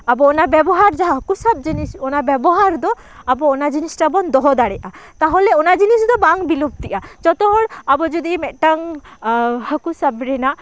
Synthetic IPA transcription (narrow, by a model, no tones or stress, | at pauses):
abɔːnabɛbɔɦaɾd͡ʒaɦaɦəkusab̚d͡ʒinisɔnabɛbɔɦaɾd̪ɔ | abɔːnad͡ʒinisʈabɔnd̪ɔɦɔd̪aɽɛʔat̪aɦolɛɔnad͡ʒinisd̪ɔbaŋbilup̚t̪iʔad͡ʒɔt̪ɔɔɽabɔd͡ʒud̪imɛʈaŋ | həkusabɾɛna